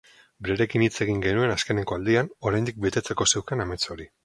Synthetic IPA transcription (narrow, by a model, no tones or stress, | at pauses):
bɾeɾe̞kinit͡se̞ɣ̞iŋɡe̞nue̞naske̞ne̞ko̞ald̪iano̞ɾajnd̪ik̚be̞t̪e̞t͡se̞ko̞se̞wkaname̞t͡so̞ɾi